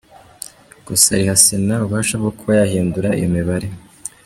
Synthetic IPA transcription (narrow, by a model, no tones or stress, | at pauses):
ɡ̥usa̰ɾihasenauβaːʃabɡokʰoajahiːnduɾaḭjomiβaɾe